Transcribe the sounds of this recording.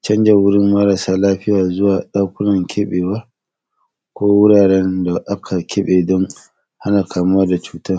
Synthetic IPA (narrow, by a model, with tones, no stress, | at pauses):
t͡ʃɐ˦nd͡ʒɛ˨wʊ˦ɽɪ˦mːɐ˦ɾɐ˨saː˦laː˦ɸɪ˦jaː˨zʊ˦waː˨ɗa˦kʷʊ˦nɐ˨ŋkʲʰɛ˦ɓeː˨wɐ˦ | kʷoː˦wʊ˦ɽaː˨ɽɛ˦nda˨ʔa˦kʰa˨kʲʰɛ˦ɓeː˨dɔ˦ŋ | ha˦naː˨kʰaː˨m˦a˦da˨t͡ʃuː˦taː˦